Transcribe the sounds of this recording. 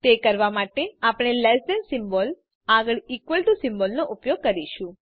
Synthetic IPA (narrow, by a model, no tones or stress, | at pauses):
t̪ekəɾʋamaʈeapɽ̃elɛsɖənsɪmbol | aɡəɭikʋəlʈusɪmbolnoʔupjoɡ̚kəɾiʃũ